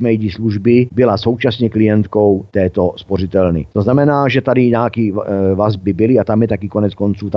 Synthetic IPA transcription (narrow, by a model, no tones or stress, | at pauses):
mɛjɟisluʒbɪbɪlaso̞wt͡ʃasɲɛklɪjɛnt̪ko̞wt̪ɛːt̪o̞spo̞rɪt̪ɛlnɪ̰t̪oznamɛnaːʒɛt̪adɪɲaːkivazbɪbɪlɪat̪amjɛt̪akɪkonɛt͡sko̞nt͡suːt̪a